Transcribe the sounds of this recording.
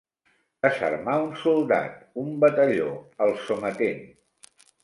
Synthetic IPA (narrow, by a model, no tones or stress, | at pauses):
əsə̰ɾmaunsulˠd̪a̰t̪umbət̪əʎo̰əlˠsomət̪en